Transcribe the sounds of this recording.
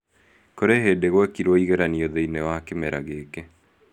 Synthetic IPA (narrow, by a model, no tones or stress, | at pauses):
koɾeɦedeɣwɛkiɾwoiɣeɾanioðeinewakemɛɾa̰ɣeːke